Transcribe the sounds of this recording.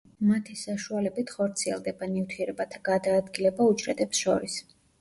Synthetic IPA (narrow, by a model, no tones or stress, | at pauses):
mat̪ʰisaʃualɛbit̪ʰχɔɾt̪sʰiɛ̰lˠd̪ɛbanift̪ʰiɛɾɛbat̪ʰaɡad̪aːd̪ɡilɛbaut͡ʃʼɾɛt̪ɛpsʃɔɾis